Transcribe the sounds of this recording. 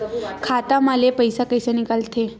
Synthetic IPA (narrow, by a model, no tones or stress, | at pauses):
kʰat̪amalepəjsakəjsanikalt̪ʰe